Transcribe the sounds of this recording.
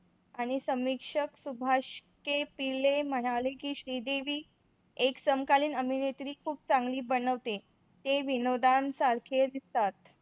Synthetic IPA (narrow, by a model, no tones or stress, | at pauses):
aɽ̃isəmikʂəksubʱaɕkepilem̤əɽ̃alekiːɕɾiːd̪eʋiː | eksəmkaliːnəminet̪ɾiːkʰuːp̚t͡sãŋɡliːbəɽəʋt̪e | t̪eʋinod̪ansaɾkʰed̪ist̪at̪